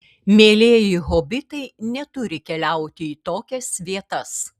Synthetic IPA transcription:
mʲeːlʲeːjɪɣoːbʲɪt̪ɐɪnʲɛt̪ʊɾʲɪkʲɛlʲæˑʊt̪ʲɪiːt̪oːkʲɛsʋʲiɛt̪ɐs

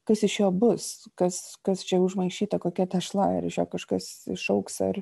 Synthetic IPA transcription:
kɐsɪʃjoːbʊskɐskɐst͡ʃʲɛʊʒmɐɪʃʲiːt̪ɐkoːkʲɛt̪ɐʃlˠɑɐ̰ɾɪʃjoːkɐʃkɐsɪʃɐʊksɐr

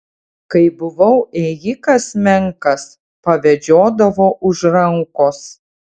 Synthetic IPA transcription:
kɐɪbʊʋɐʊʔeːjɪkɐsmʲɛŋkɐs | pɐʋʲɛd͡ʒʲoːd̪ɐʋoːʔʊʒɾɐŋkoːs

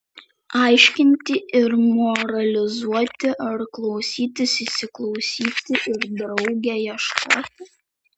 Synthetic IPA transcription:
ɑˑɪʃʲkʲɪnʲt̪ʲɪʔɪɾmɔɾɐlʲɪzuɔt̪ʲɪʔɐɾklˠɒʊsʲiːt̪ʲɪsʲɪʃsʲɪklˠɒʊsʲiːt̪ʲɪʔɪɾd̪ɾɒʊɡʲɛːjɛʃkʰo̰ːt̪ʲɪ

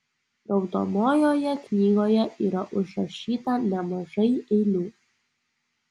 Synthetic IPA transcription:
d̪ɐʊd̪o̰moːjoːjɛknʲiːɡoːjɛʔiːɾɐʔʊʒɾɐʃʲiːt̪ɐnʲɛmɐʒɐɪɛɪlʲuː

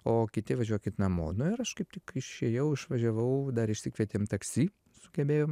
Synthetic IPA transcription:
oːkʲɪt̪ʲɪʋɐʒʲuɔkʲɪt̪nɐmo̰ːnʊɪɾɐʃkɐɪp̚tʲɪkɪʃʲeːjɛʊɪʃʋɐʒʲɛʋɐʊd̪ɐɾɪʃʲsʲɪkʋʲiɛt̪ʲeːmt̪ɐksʲiː | sʊɡʲɛbʲeːjoːm

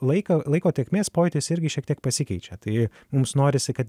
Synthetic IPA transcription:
lˠɐɪkɐlˠɐɪkoːt̪ʲeːkʲmʲeːspoːjt̪ʲɪsɪɾʲɡʲɪʃʲiɛkt̪ʲiɛk̚pɐsʲɪkʲɛɪt͡ʃʲɛt̪ɐɪ | mʊmsnoːɾʲɪsʲɪkɐt̪

